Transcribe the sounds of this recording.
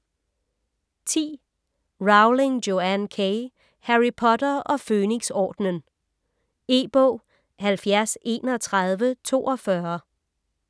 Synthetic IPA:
t͡sʰḭː | ʁɑ̈ʊle̝ŋdjo̝ænkʰeɪ | hæʁipʰɒ̽d̥ɐʔɒ̽føːne̝ɡ̥sɒ̰ːd̥nən | e̝̰ːb̥ɔ̰̽ː | hælfjæɐ̰se̝̰ːnɒt͡sʰʁɑð̞ˠʋət͡sʰo̝̰ːɒ̽fɶɐ

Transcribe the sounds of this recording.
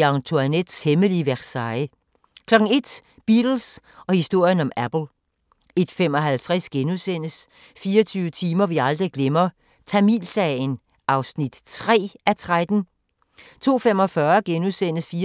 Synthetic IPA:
ɑŋt͡sʰoæned̥sheməliʋæsɑ̈ɪə | kʰlɒ̽ɡ̥ŋ̩e̝d̥ | b̥id̥l̩sɒ̽hisd̥o̝ɐ̰jənɒ̽mæb̥l̩ˠ | e̝d̥femɒ̽ɦælt͡sʰʁɛsɡ̥enusen̰əs | fiːɒt͡sʰyːʊət͡sʰiːmɐʋiɑ̈ld̥ʁiɡ̥lemɐ | t͡sʰæmḭlsɛɪn | ʔɑ̈ʊsnid̥t͡sʰʁɛ̰ːæt͡sʰʁad̥n̩ | t͡sʰo̝̰ːfemɒ̽fɶːɐɡ̥enusen̰əsfiː

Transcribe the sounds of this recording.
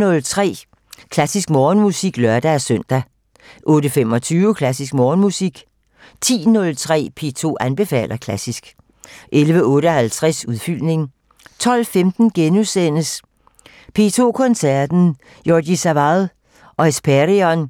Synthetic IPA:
nɔ̽lt͡sʰʁɛ̰ː | kʰlæsisɡ̥mɒːnmusiɡ̥lɶɐd̥æsœn̰d̥æ | ʔɔ̽ːɾəfemɒ̽t͡sʰyːʊəkʰlæsis̬ɡ̥mɒːnmusiɡ̥ | t͡sʰḭːnɔ̽lt͡sʰʁɛ̰ːpʰe̝ːt͡sʰo̝̰ːʔænb̥e̝fɛ̰ːlʔɐkʰlæsisɡ̥ | ʔelʋəɔ̽ːɾəɒ̽hælt͡sʰʁɛsuðˠfyl̰ne̝ŋ | t͡sʰɒ̽l̰femd̥n̩ɡ̥enusen̰əs | pʰe̝̰t͡sʰo̝̰ːkʰɔ̽nsæɐd̥n̩ | joːɡ̥isæʋɑðˠ | ʔɒ̽esb̥ʰæʁiɒn

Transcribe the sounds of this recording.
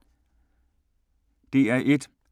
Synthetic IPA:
d̥e̝æɐʔe̝d̥

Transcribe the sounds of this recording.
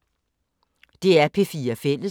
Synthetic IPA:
d̥e̝æɐpʰe̝fiːɐfel̰ə

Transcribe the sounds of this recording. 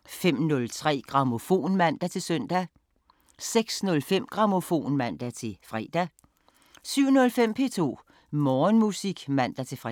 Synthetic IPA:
fem̰nɔ̽lt͡sʰʁɛ̰ːɡ̥ʁɑ̈mo̝fo̝̰ːnmæn̰d̥æt͡sʰe̝lsœn̰d̥æ | seɡ̥snɔ̽lfem̰ɡ̥ʁɑ̈mo̝fo̝̰ːnmæn̰d̥æt͡sʰe̝fʁɛd̥æ | syʊ̰nɔ̽lfem̰pʰe̝̰ːt͡sʰo̝̰ː | mɒːnmusiɡ̥mæn̰d̥æt͡sʰe̝fʁ

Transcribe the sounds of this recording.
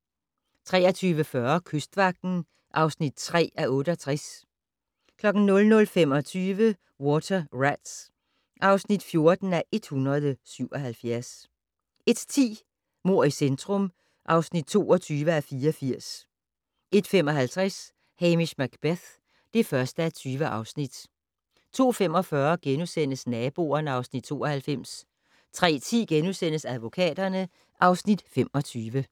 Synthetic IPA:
t͡sʰʁɛːɐt͡sʰyːʋəfɶɐkʰøsd̥ʋɑ̈ɡ̥̚d̥n̩ | ʔɑ̈ʊsnid̥t͡sʰʁɛ̰ːæʔɔ̽ːɾ̥əɒt͡sʰʁas | kʰlɒ̽ɡ̥n̩nɔ̽lnɔ̽lfem̰ɒ̽t͡sʰyːʋə | wɒt͡sʰɐʁæd̥s | ʔɑ̈ʊsnid̥fjo̝ɐd̥n̩æʔe̝d̥hunʁɐðˠəsyʊ̰ɒɦælfjæɐs | e̝d̥t͡sʰḭː | mo̝ɐ̰isend̥ʁɔ̽m | ʔɑ̈ʊsnid̥̚t͡sʰo̝̰ːɒt͡sʰyːʋəæfiːɐɒfiɐ̰s | ʔe̝d̥fem̰ɒ̽ɦælt͡sʰʁɛs | hemiɕmæɡ̥b̥eθ | d̥e̝fɶɐsd̥əæt͡sʰyːʋəʔɑ̈ʊsnid̥ | t͡sʰo̝̰ːfem̰ɒ̽fɶɐɡ̥enusen̰əsnɛːb̥o̝̰ːɐnəɑ̈ʊsnid̥̚t͡sʰo̝̰ːɒhælfem̰s | t͡sʰʁɛ̰ːt͡sʰḭːɡ̥enusen̰əsæðˠʋo̝kʰɛ̰ːd̥ɐnə | ʔɑ̈ʊsnid̥fem̰ɒ̽t͡sʰyːʋə

